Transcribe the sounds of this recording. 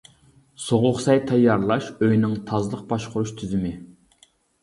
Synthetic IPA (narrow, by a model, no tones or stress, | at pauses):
soʁʊχsɑjt̪ʰɛjːɑɾlˠɑʃøjnɪŋt̪ʰɑzlˠəq̚bɑʃqʰʊɾuʃt̪ʰyzymɪ